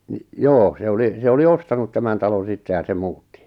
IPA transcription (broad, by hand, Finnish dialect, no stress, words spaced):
nĭ joː se oli se oli ostɑnut tæmæn tɑlon̞ sitːe jɑ se muːtːi